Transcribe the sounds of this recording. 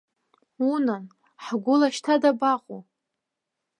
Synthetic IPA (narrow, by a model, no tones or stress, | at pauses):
unan | ħɡʷʊlaʃtʰadabaqʼu